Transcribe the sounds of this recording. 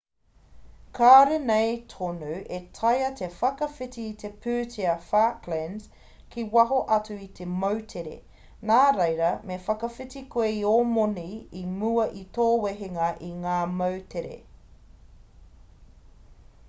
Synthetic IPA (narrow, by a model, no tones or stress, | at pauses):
kʰaːɾenejtʰonuwʔetʰɐjɐt̪ʰefɐkɐfitiːt̪ʰepʰʉːtʰiɐfaːklɛns | kiwɐɦoʔɐtuit̪ʰemowtʰeɾḛ | naːɾejɾɐmefɐkɐfitikweiomoniimuɐʔit̪oːweɦeŋɐʔiŋaːmɐwtʰeɾḛ